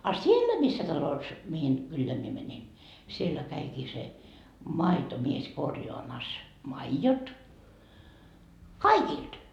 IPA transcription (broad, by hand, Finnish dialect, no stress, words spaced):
ɑ sielːæ misːæ tɑlos mihin kylːeæ mie mænʲin sielːæ kæikiː se mɑitomies korjoɑmɑs mɑijot kɑikild̥